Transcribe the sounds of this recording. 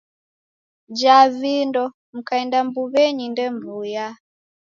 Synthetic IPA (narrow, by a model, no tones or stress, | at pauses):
d͡ʒavindɔ | m̩kaɛndambuβɛɲindɛmvuja